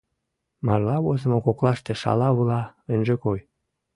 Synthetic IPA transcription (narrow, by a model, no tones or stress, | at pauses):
mɑrlɑβozə̆mokoklɑʃt̪eʃɑ̰lɑβulɑønʒekoj